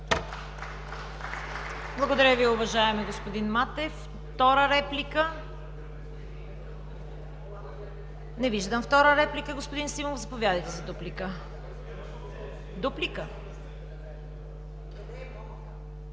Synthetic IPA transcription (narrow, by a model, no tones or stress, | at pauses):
blˠɐɡod̪ɐɾʲjəviʊvɐʒaɛmɛɡospod̪inmat̪ɛf | t̪ɔɾəɾɛplikə | nɛviʒd̪əmft̪ɔɾəɾɛplikəɡospod̪insimovzɐpovʲjad̪əjt̪ɛzɛd̪uplikə | d̪uplikə